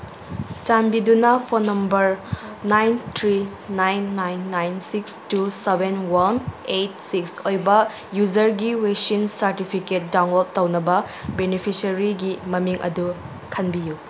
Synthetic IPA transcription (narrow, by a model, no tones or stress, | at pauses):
t͡ʃanbidunɐpʰonːɐmbɐɾ | najntʰɾi | najnːajnːajnsikstusebenwɐnejt̚siksojbɐ | jud͡ʒɐɾɡiwesinsɐɾtipʰiket̚dawnlod̚tɐwnɐbɐ | benipʰisɐɾiɡimɐmiŋʔɐ̰du | kʰɐnbiju